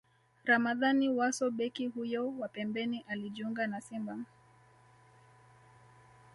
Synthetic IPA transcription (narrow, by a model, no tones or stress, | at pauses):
ɾamaðaniwasɔɓɛkihujɔwapɛmbɛniʔaliʄiuŋɡanasimba